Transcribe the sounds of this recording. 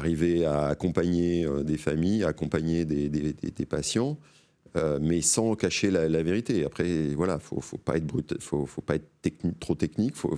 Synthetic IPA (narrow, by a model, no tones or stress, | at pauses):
aʁiveaːkɔ̃paɲeød̪efamijaːkɔ̃paɲed̪ed̪ed̪ḛd̪epasjɑ̃ | ømɛsɑ̃kaʃelalaveʁit̪eapχɛvwalafo̰fopa̰ɛt̪χbʁyt̪fofopaɛt̪χt̪ɛknit̪χot̪ɛknikfo̰